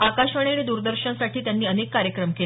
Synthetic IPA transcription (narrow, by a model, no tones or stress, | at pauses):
akaɕʋəɳ̃eɭed̪uɾd̪əɾɕənsaʈʰiːt̪janːiːənekːaɾjəkɾəmkel